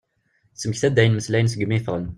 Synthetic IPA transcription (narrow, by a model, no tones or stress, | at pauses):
səmçθæd̪ːæjənməslæjənsəɡmifʁən